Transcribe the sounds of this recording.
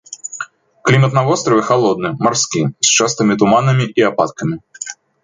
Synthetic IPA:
klʲimɐt̪navɔst̪ɾɐvʲɛxalˠɔd̪̚nɨmarskʲist͡ʂast̪ɐmʲit̪umanɐmʲiʔiapat̪kɐmʲi

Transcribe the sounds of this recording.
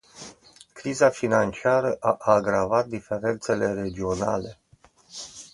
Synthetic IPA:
kɾizafinant͡ʃiaɾəʔaʔaːɡɾavat̪̚d̪ife̞ɾe̞nt̪se̞le̞ɾe̞d͡ʒio̞na̰le̞

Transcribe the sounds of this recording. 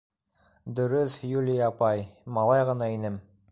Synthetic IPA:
d̪ɵ̆ɾɵθjulʲijɑpɑjmɑlˠɑjʁɤ̆nɑinɘm

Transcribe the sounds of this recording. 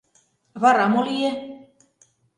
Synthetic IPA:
βɑɾɑmolije

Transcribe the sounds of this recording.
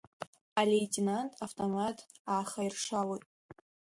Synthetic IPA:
alejtʲʰʼinantʼʰaftʰʼomatʰʼaːχajrʂalojtʼ

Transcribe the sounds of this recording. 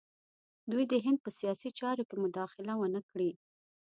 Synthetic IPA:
d̪ujd̪əɦɪnd̪̚pəsijɑsit͡ʃɑɾokemʊd̪ɑxɪlawənəkɽi

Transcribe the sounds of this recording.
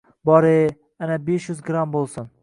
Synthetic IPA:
bɒɾe | anabeʃjyzɡɾambolˠsʊn

